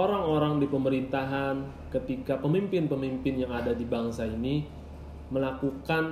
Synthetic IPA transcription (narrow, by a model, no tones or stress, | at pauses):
oɾaŋoɾaŋdipəməɾint̪aɦan | kət̪ikapəmimpɪnpəmimpɪnjaŋadadibaŋsaini | məlakukan